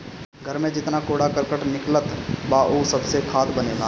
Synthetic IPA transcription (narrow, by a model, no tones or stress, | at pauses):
ɡʱəɾmẽd͡ʒɪt̪nakoːɽakəɾkəʈnɪklət̪baːʔoːsɐbsekʰaːt̪bɐneːɡa̰ː